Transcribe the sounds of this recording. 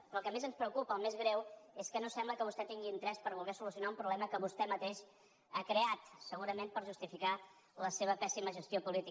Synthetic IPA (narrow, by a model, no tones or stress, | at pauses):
əlˠkəmezənspɾəukupəːlˠmezɣɾɛweskənosɛmbləkəβust̪ɛt̪iŋɡint̪ɾɛspəɾβulˠɣɛsulusijunaumpɾuβlɛməkəβust̪ɛmət̪eʃ | akɾeat̪səɣuɾəmenpəɾʒust̪ifika | ləseβ̞əpɛsiməʒəst̪jopulit̪i